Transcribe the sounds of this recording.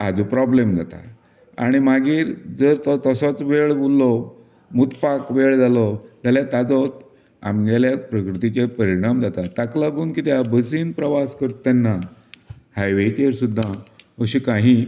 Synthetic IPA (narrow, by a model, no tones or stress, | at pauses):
ad͡zupɾɔblemd͡zat̪a̰ | a̰ɽ̃imaɡiːɾd͡zəɾt̪ɔt̪əsɔt͡sʋeɭbulːɔ | mut̪pakʋeɭd͡zalɔd͡zaljat̪ad͡zɔt̪ | a̰mɡɛljapɾəkɾit̪it͡ɕepəɾiɽ̃amd͡zat̪at̪aklaɡuːnkit̪jabəs̬iːnpɾəʋaskəɾt̪anːa | hajʋekəɾsud̪ʱːaəɕikaɦi